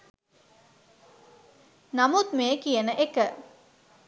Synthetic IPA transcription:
namut̪meːkijənəʔekə

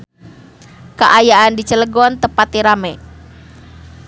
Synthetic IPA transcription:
kəʔajaʔandit͡ʃələɡɔnt̪əpat̪iɾamɛ

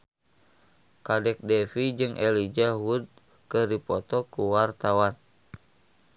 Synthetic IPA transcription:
kadɛk̚dɛfid͡ʒɨŋʔɛlid͡ʒaɦud̪̚ | kədipɔt̪ɔkuwart̪awan

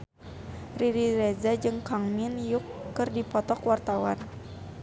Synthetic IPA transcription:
riɾiɾɛzad͡ʒɨŋkaŋminjukːɨrdipɔt̪ɔkwart̪awan

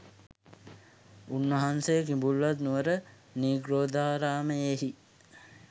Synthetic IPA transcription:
unːəɦansejəkimbulʋat̪nuʋəɾə | niːɡɾoːd̪aːɾaːməjeɦi

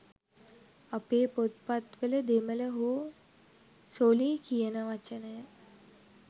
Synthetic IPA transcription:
apeːpot̪̚pat̪ʋələd̪emələɦo | soliːkijənəʋat͡ʃənəjə

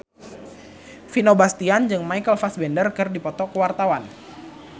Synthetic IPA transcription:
finobast̪iand͡ʒɨŋmajkəlfasbɛndərkɨrdipɔt̪ɔkəwart̪awan

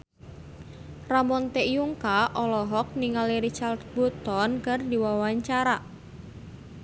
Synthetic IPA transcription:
ramɔnt̪eʔjuŋkaʔɔlɔɦɔk̚niŋaliɾit͡ʃard̪̚but̪ɔnkərd̪iwawaɲt͡ʃaɾa

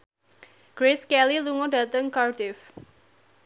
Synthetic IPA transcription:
ɡ̥ɾeskɛliluŋɔdä̤t̪əŋkardɪf

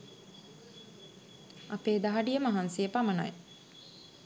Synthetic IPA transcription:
ɐpeːd̪aɦɐɖijəmaɦansijəpamɐnɐ̰j

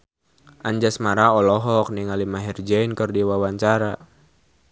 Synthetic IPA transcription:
ʔaɲd͡ʒasmaɾaɔlɔɦɔk̚niŋalimaɦɛrd͡ʒɛinkərdiwawaɲt͡ʃaɾa

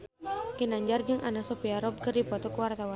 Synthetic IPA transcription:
kinaɲd͡ʒard͡ʒɨŋʔanasɔpiaɾɔb̚kɨrdipɔt̪ɔkəwart̪awan

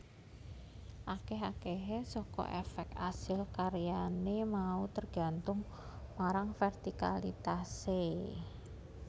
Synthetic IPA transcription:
ʔakeɦakeɦesɔkɔ̰ʔɛfɛk̚t̪asɪlkaɾjanemaut̪ərɡ̥a̤nt̪ʊŋ | maɾaŋfɛrt̪ikalḭt̪ase

